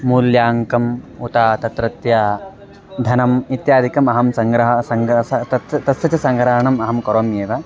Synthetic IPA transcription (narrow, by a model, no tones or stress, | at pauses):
muːljaːŋkɐmut̪aːt̪ɐt̪ɾɐt̪jɐ | d̪ʱɐnɐmit̪jaːd̪ʱikɐmɐɦɐmsɐŋɡɾɐɦɐsɐŋɡɐtɐt̪ɐsɐt͡ʃɐsɐŋɡɾɐɦɐɳɐmɐɦɐmkɐɾoːmjeːʋɐ